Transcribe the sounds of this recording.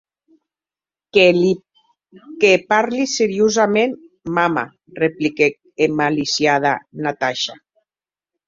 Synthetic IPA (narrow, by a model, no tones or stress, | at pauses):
kepaɾliseɾjozamen | mama̰ | replike | emalisjað̞anat̪aʃa